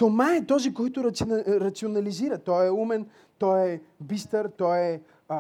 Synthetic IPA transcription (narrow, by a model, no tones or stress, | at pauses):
t̪omaɛt̪ɔzikɔjt̪ʊɾɐt̪siɾɐt̪sionɐliziɾət̪ɔjɛumɛn | t̪ɔjɛbist̪əɾt̪ɔjɛ